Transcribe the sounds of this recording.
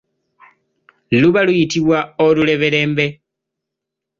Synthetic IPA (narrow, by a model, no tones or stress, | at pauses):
luβalujitiβwaolule̞βe̞le̞ːmbe̞